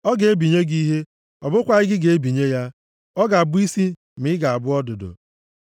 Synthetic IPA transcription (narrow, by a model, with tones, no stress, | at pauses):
ɔ˦ɡe˨e˦bi˨ɲe˦ɡi˦ɦe˦ | ɔ˨bʊ˦kʷa˨ɪ˦ɡɪ˦ɡe˨e˦bi˨ɲe˦ja˦ | ɔ˦ɡa˨bʊ˦i˦si˦ | m̩ɪ˦ɡa˨a˨bʊ˦ɔ˦dʊ˨dʊ̰˨